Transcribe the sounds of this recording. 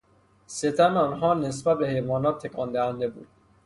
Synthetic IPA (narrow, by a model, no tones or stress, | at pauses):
set̪ʰænɒːnɦɒːnes̬bæt̪̚be̞hejvɒːnɒːt̪ʰːekʰɒːnd̪æhænd̪e̞bṵːd̪̥̚